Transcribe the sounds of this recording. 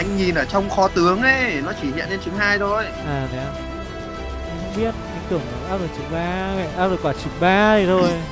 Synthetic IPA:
ʔa˧jŋ̟ɲi˨˩nʔəː˧˩t͡ɕɔ˧wŋ͡mxɔ˨˦t̪ɨ˨˦əŋʔe˨˦nɔ˨˦t͡ɕi˧˩hḭ˧˨ənle˧nt͡ɕɨ˨˦ŋɦaː˧jt̪ʰo˧˩j | ʔaː˨˩nɛ˨˦˨ | ŋ͡mɓi˦˥ət̚ʔaː˨˧˦k̚t̪ɨ˧˩əŋaː˨˩aː˦˥zo˨˩jt͡ɕɨ˨˦ɓaː˧mɛ̰˧˨ʔaː˦˥p̚zo˨˩kwaː˧˩t͡ɕɨ˨˧˩k̚ɓaː˧˩˨t̪ʰo˧j

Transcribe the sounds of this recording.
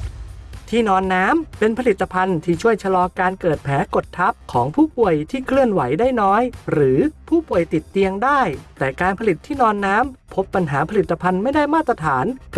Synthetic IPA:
t̪ʰiː˥˩nɔː˧nːaː˦˥mpe˧npʰa˧li˨˩t̪ːa˧pʰa˧nt̪ʰiː˥˩t͡ɕʰu˥˩əjt͡ɕʰa˧lɔː˧kaː˧nkɤː˨˩t̪̚pʰɛː˩˦ko˨˩t̪ʰːa˦˥p̚kʰɔː˩˦ŋpʰuː˥˩pu˨˩əjt̪ʰiː˥˩kʰɾɯ˥˩ənwa˩˦jdaː˥˩jnɔː˦˥jɾɯː˩˦pʰuː˥˩pu˨˩əjt̪i˨˩t̪ːi˧əŋdaː˥˩jt̪ɛː˨˩kaː˧npʰa˧li˨˩t̪ʰːiː˥˩nɔː˧nːaː˦˥mpʰo˦˥pːa˧nɦaː˩˦pʰa˧li˨˩t̪ːa˧pʰa˧nma˥˩jdaː˥˩jmaː˥˩t̪ːɾa˧t̪ʰaː˩˦n

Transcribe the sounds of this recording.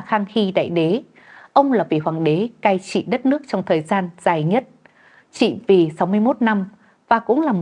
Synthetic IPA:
xaː˧ŋxi˧ɗa̰ː˧˨jɗe˨˦ | ʔə˧wŋ͡mlaː˨˩vḭ˨˩ɦwaː˨˧˩ŋɗe˨˦kaː˧jt͡ɕḭ˧˨ɗə˦˥t̚nɨ˦˥ək̚t͡ɕɔ˧wŋ͡mt̪ʰəː˨˩jzaː˧nz̥aː˨˩jɲə˦˥t̚ | t͡ɕḭ˧˨vi˨˩sa˨˦wmɨ˧əjmo˦˥t̚na˧m | vaː˨˩kʊ̰˧˥ŋ͡mlaː˨˩mo˨

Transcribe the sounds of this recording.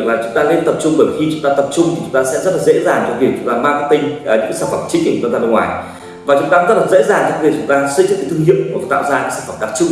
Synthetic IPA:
k̚laː˨˩t͡ɕʊ˨˦ŋ͡mt̪aː˧le˧nt̪ə˨˩p̚t͡ɕʊ˧ŋ͡mɓəː˧˩jxi˧t͡ɕʊ˧˦ŋ͡mt̪aː˧t̪ə˨˩p̚t͡ɕʊ˧ŋ͡mt̪ʰi˨˩t͡ɕʊ˨˦ŋ͡mt̪aː˧sɛ̰˧˥zə˦˥t̚laː˨˩zḛ˧˥zaː˨˩ŋt͡ɕɔ˧ŋvi˧˩k̚t͡ɕʊ˨˦ŋ͡mt̪aː˧maː˧kaː˦k̚t̪ï˧ŋ̟ː˨˩ɲɨ̰˧˥kːaː˨˦saː˧˩fə˨˧˩mt͡ɕï˦˥ŋ̟ki˧˩ʊ˨˦˧t̪aː˧ə˧ŋwaː˨˩j | vaː˨˩t͡ɕʊ˨˦ŋ͡mt̪aː˧˦˥zt̚lːzḛ˧˥zaː˨˩ŋt͡ɕɔ˧˦vi˨˩t͡ɕʊ˨˦ŋ͡mt̪aː˧swə˧˥t͡ɕt̚kːt̪ʰɨ˧ŋhḭ˧˨əwmku˧˩˨t̪a̰ː˧˨wza̰ː˧nɲ̰˧˦sḁː˧˩fə˨˩mkaː˨˧˩t͡ɕʊ˧˦

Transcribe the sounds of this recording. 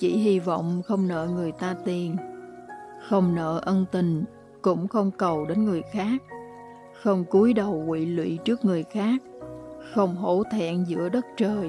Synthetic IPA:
t͡ɕḭ˧˩ɦi˧vɔ̰˧˨wŋ͡mxə˧wŋ͡mnə̰ː˧˨ŋɨ˨˩əjt̪aː˧t̪i˨˩ən | xə˧wŋ͡mnə̰ː˧˨ʔə˧nt̪ï˨˩ŋ̟ | kʊ̰˧˥ŋ͡mxə˧wŋ͡mkə˨˩wɗe˨˦nŋɨ˨˩əjxaː˦˥k̚ | xə˧wŋ͡mku˨˦əjɗə˨˩wkḭ˧˨lwḭ˧˨t͡ɕɨ˦˥ək̚ŋɨ˨˩əjxaː˦˥k̚xə˧wŋ͡mɦo̰˧˥t̪ʰɛ̰˧˨nzɨ̰˧˥əɗə˦˥t̚t͡ɕəː˨˩j

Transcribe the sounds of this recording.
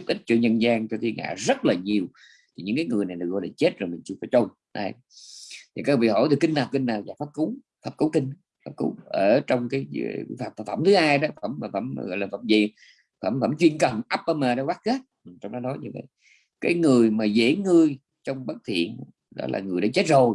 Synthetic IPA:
zu˦˥p̚ʔï˦˥k̟̚t͡ɕɔ˧ɲə˧nzaː˧ŋt͡ɕɔ˧t̪ʰi˧ŋʔa̰ː˧˨zə˦˥t̚laː˨˩ɲi˨˩əw | t̪ʰi˨˩ɲɨ̰˧˥ŋkaː˨˦jŋɨ˨˩jna˨˩jɗɨ˨˩k̚ɣɔ̰˧˨jlaː˨˩t͡ɕe˦˥t̚zo˨˩jmï˨˩ŋ̟t͡ɕɨ˧faː˧˦jt͡ɕo˧n | ʔa̰˧˦ | t̪ʰi˨˩kaː˦˥k̚vḭ˧˨˩ho̰˧˩˦t̪ʰɨ˨˩kːi˧ŋ̟naː˨˩wki˧ŋnaː˨˩wzaː˨˩faː˦˥p̚ku˨˦w | faː˨˥p̚ku˨˦wkï˧ŋ̟ | faː˦˥p̚ku˨˦wʔəː˧˩t͡ɕɔ˧wŋ͡mkaː˨˦jfaː˨˩p̚t̪ʰa˨˧˩fə̰˧˩ŋ͡mt̪ʰɨ˨˦haː˧jɗɔ˨˦fə˧˩mː˨˩fə̰˧˩m˧ɣɔ̰˧˨jlaː˨˩fə˧˩mzi˧˨ | fə̰˧˩mvə̰˧˩mt͡ɕwi˧ənkə˨˩mʔa˦˥p̚ʔə˧məː˨˩ɗɔ˨˦waː˦˥t̚ɣə˦˥t̚ʔt͡ɕɔ˧ŋ͡mɗɔ˨˦nɔ˨˦jɲɨ̰˧və̰˧˨j | kaː˨˦jŋɨ˨˩əjmaː˨˩zḛ˧˩˥ŋɨ˧əj | t͡ɕɔ˧wŋ͡mɓə˦˥t̚t̪ʰḭ˧˨ən | ɗɔ̰˨˦la̰ː˨˩ŋɨ˨˩əjɗa̰ː˧˦t͡ɕe˦˥t̚zo˨˩j

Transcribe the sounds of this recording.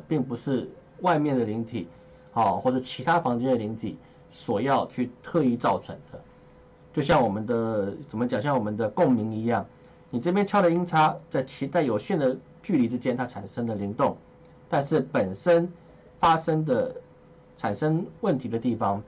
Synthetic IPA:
pi˥˩ŋpu˧˦ʂɻ̩˥˩wa˥˧ɪmjɛ˥˩nd̪ə˩li˧˥ŋt̪ʰḭ˨˩˦ | xɔ˥˧xwɔ˥˩ʂɻ̩˥˩t͡ɕʰi˧˥t̪ʰa˥fɑ˧˥ŋt͡ɕɛ˥nd̪ə˨li˧˥ŋt̪ʰḭ˨˩˦ | swɔ˨˩jɑ˥˧ʊt͡ɕʰy˥˧t̪ʰɤ˥˧i˥˧t͡sɑ˥˩ʊʈ͡ʂʰə˧˥ŋd̪̥ə˧ | t͡ɕjo˥˧ʊɕjɑ˥˩ŋwɔ˨˩mə˦nd̪ə˨t͡sə˨˩mə˦t͡ɕjɑ˨˩ŋɕjɑ˥˩ŋwɔ˨˩mə˦nd̪ə˧kʊ˥˩ŋmi˧˥ŋi˧˥jɑ˥˩ŋ | ni˨˩ʈ͡ʂɤ˥˩pjɛ˥nt͡ɕʰjɑ˥ʊɾə˨i˥ŋt͡sʰa˥t͡sa˥˩ɪt͡ɕʰi˧˥t͡sa˥˩ɪjo˨˩ʊɕjɛ˥˩nd̪ə˩ | t͡ɕy˥˩li˧˥˩ʈ͡ʂ̩˦t͡ɕjɛ˥nt̪ʰa˥ʈ͡ʂʰa˨˩nʂə˥ŋd̪ə˨li˧˥ŋt̪ʊ˥˩ŋ | t̪a˥˧nʂɻ̩˥˩pə˨˩nʂə˦˥n | fa˥ʂə˥ŋd̪ə˨ | ʈ͡ʂʰa˨˩nʂə˥ŋwə˥˩nt̪ʰi˧˥d̪ə˧t̪i˥˩fɑ˨˦ŋ

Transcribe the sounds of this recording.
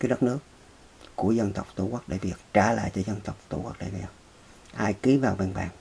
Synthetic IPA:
kaː˨˦jɗə˦˥t̚nɨ˦˥ək̚ː | u˧˩əzə˧nt̪ə˨˩wk͡p̚t̪u˧˩kə˦˥k̚ɗḛ˧˩vi˨˩ək̚t͡ɕaː˧˩la̰ː˧˨jt͡ɕɔ˧zə˧nt̪ə˨˩wk͡p̚t̪ṵ˧˩kwk̚ɗḛ˧˩˦mɛ˨˩w | ʔaː˧jki˨˦vaː˨˩wɓe˧˩nɓa̰ː˧˩n

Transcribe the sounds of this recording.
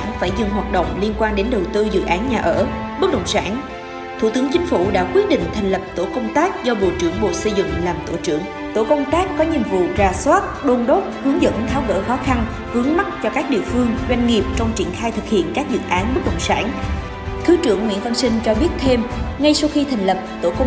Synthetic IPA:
nfaː˧˩jzʊ̰˧˩ŋɦwaː˨˩t̚ɗə̰˧˨wŋ͡mli˧ənkwaː˧nɗe˨˦nɗə˨˩wt̪ɨ˧zɨ̰˧˨ʔaː˨˦nɲaː˨˩ʔəː˧˩ | ɓɨ˦˥k̚ɗə̰˧˨wŋ͡msaː˧˩n | t̪ʰṵ˧˩t̪ɨ˨˦ŋt͡ɕï˨˦ŋ̟fu˧˩ɗa̰ː˧˥kwi˦˥ət̚ɗḭ̈˧˨ŋ̟t̪ʰa˨˩jŋ̟lə˨˩p̚t̪o̰˧˩kə˧wŋ͡mt̪aː˦˥k̚zɔ˧ɓo̰˧˨t͡ɕɨ˧˩əŋɓo̰˧˨sə˧jzɨ̰˧˨ŋ͡mlaː˨˩mt̪o˧˩t͡ɕɨ˧˩əŋ | t̪o̰˧˩kə˧wŋ͡mt̪aː˦˥kːɔ˨˦ɲi˨˩əmvṵ˧˨zaː˨˩swaː˦˥t̚ɗo˧nɗo˦˥t̚hɨ˨˦əŋzə̰˧˥nt̪ʰaː˨˦wvə̰ː˧˥xɔ˨˦xa˧n | ɣɨ˨˦əŋma˦˥t̚t͡ɕɔ˧kaː˦˥k̚ɗḭ˧˨əfɨ˧əŋzwa˧jŋ̟ŋi˨˩əp̚t͡ɕɔ˧wŋ͡mt͡ɕi˧˩ənxaː˧jt̪ʰɨ˨˩k̚hḭ˧˨ənkaː˦˥k̚zɨ̰˨˩˨ʔaː˨˦nɓɨ˦˥k̚ɗə̰˧˨wŋ͡msa̰ː˧˩n | kɨ˨˦t͡ɕɨ˧˩əŋwḭ˧˥ənfʰə˧ŋ͡msï˧ŋ̟t͡ɕɔ˧ɓi˦˥ət̚t̪ʰe˧mŋa˧jsa˧wxi˧t̪ʰa˨˩jŋ̟lə˨˩p̚t̪o̰˧˩kə˧ŋ͡m

